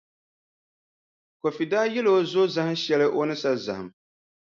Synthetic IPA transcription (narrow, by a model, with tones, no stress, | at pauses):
ko˨fi˨daː˦jɛ˦lo˨˦zo˦za˦hɨ˦ʃɛ˦lɨ˦ʔo˦nɨ˦sa˦za˨hɨ˨m